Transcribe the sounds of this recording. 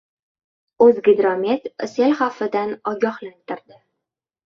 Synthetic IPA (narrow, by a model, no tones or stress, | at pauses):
ɵzɡʲɪd̪ɾomʲet̪selχafːɪd̪anɒɡʲɒhlant̪ɪɾd̪ɪ